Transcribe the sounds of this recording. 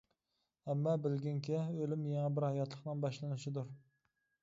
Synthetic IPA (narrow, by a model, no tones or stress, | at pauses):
ɛmːɑbɪlɡʲɪŋkʲʰɛølɪmjeŋæbɪɾhɑjɑt̪ʰlˠəqnɨŋbɑʃlˠɨnɪʃɪd̪uɾ